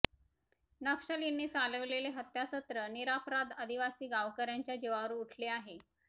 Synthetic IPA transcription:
nəkʂəlinːiːt͡saləʋleleɦət̪jasət̪ɾəniɾapɾad̪əd̪iʋasiːɡaʋkəɾjaɲt͡ɕjad͡ʑeʋaʋɾuːʈʰleaɦe

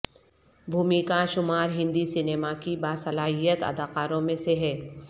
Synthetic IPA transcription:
bʱuːmikaʃʊmaːɾɦɪ̃nd̪isɪneːmakibaːsɐlaːɦijət̪ɐ̰d̪aːqaːɾõmẽseɦɛː

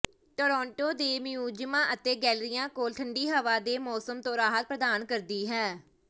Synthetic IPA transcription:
ʈoːɾɔ̃ːɳʈoːd̪eːmjuːd͡ʒmãːʔət̪eːɡɛːlɾɪjãːkoːlʈʰəɳɖiːɦəʋaːd̪eːmɔːsəmt̪õːɾaːɦət̪̚pɾəd̪aːnkəɾd̪iːɦɛː

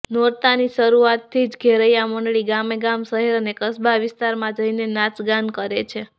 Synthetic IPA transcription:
noɾt̪aniʃəɾuat̪ʰːid͡ʒɡʱeɾəjaməɳɖɭiɡameɡamsəɦɛɾənekəsbaʋɪst̪aɾmãd͡ʒəinenat͡ʃɡankəɾet͡ʃʰe

